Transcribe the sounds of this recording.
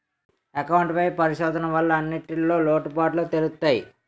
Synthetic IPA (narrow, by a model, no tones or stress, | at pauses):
ɐkɐwɳʈpɐjpɐɾiʃɔːd̪ʱɐnɐʋɐlːɐːnːiʈilo̞ːloːʈpaːʈlot̪elut̪ːaːji